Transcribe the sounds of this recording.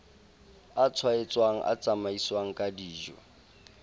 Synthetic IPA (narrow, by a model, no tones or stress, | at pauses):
at͡sʰwaet͡sʼwaŋ̩ʔa̰t͡sʼamaiswaŋ̩kʼadiːʒwɛ̰